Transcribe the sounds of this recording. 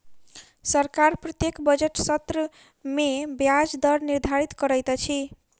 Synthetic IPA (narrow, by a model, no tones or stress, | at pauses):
sʌɾkaɾprʌt̪jekbʌd͡ʒeʈsʌt̪ɾə | mebjad͡zd̪ʌɾniɾd̪ʱaɾit̪kʌɾʌjt̪ʌt͡ʃʰi